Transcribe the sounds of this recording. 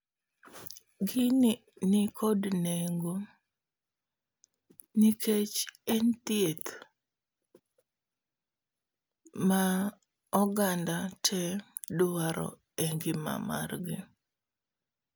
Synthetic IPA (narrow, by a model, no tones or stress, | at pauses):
ɡɪn | nɪkʰodneŋɡo | niket͡ʃɛnt̪jet̪ | ma | ɔɡandatʰɛdʊwaɾɔ̰ | ɛŋɡɪma̰ma̰rɡɪ